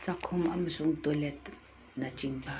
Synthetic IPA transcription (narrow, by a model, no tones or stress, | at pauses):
t͡sakʰomamsoŋt̪olet̪̚ | nat͡ʃiŋpa